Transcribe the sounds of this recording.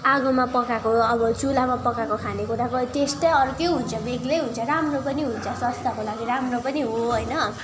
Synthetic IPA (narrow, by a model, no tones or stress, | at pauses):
aɡomapʌkakoʌbʌt͡sulamapʌkakokʰanekuɾakot̪esʈʌjʌɾkeɦunt͡sʰʌbeɡlejɦũnt͡sʰʌɾamropʌniɦunt͡sʰʌsʌst̪akolaɡiɾamropʌniɦoɦʌjnʌ